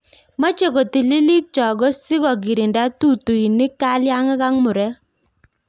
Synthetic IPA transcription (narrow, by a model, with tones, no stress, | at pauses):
ma˦t͡ʃe˨ɡo˨ti˨li˦li˦t͡ʃɔ˨ɡɔ˦sɪ˦ɡɔ˨ɡɪ˨ɾɪ˨nda˦tu˦˨tu˨i˨nɪ˦ka˦lja˦ŋɪ˦ɣa˦ŋmʊ˨ɾɛ˦